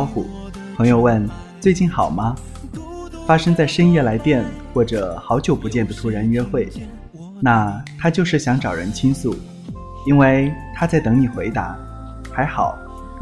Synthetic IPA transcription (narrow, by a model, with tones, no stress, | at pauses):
xṵ˥˩ | pʰɤ˧˥ŋjo˥˧ʊwə˥˩n | t͡swe˥˧ɪt͡ɕi˥˩nxɑ˨˩ʊmɐ˦ | fa˥ʂɤ˥ŋt͡sa˥˩ɪʂə˥ŋjɛ˥˩la˧˥ɪt̪jɛ˥˧nxwɔ˥˩ʈ͡ʂɤ˨˩xɑ˧˥ʊt͡ɕjo˨˩ʊpu˧˥t͡ɕjɛ˥˩nd̪ə˩t̪ʰu˧˥ɻa˧˥nɥɛ˥xwe˥˩ɪ | na˥˧˩t̪ʰa˥t͡ɕjo˥˧ʊʂɻ̩˥˩ɕjɑ˧˥ŋʈ͡ʂɑ˨˩ʊɻə̰˧˥nt͡ɕʰi˥nsu˥˩ | i˥nwe˥˩ɪt̪ʰa˥t͡sa˥˩ɪt̪ɤ˧˥ŋni˨˩xwe˧˥ɪt̪a̰˧˥ | xa˧˥ɪxɑ˨˩˦ʊ